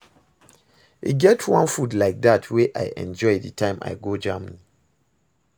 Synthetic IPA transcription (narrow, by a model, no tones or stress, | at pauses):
ḛɡɛtʰwãnfudlaɪk̚datʰweʔa̰ɪʔɛ̰̃nd͡ʒɔɪdətʰãɪ̃ma̰ɪɡod͡ʒãmnĩ